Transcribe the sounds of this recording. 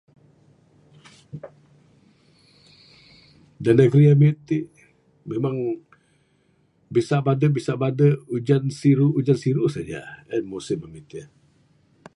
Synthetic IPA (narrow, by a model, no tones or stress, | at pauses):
danəɡɾiamit̪iʔ | memaŋ | bisaʔbadəbisaʔbadəud͡ʒansiɾuud͡ʒansiɾusad͡ʒa̰əmusɪmamit̪i